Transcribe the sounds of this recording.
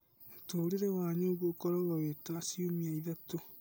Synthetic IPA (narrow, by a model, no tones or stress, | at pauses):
otoːɾeɾewaːɲoːɣwokoɾaɣawetasiomiaiðato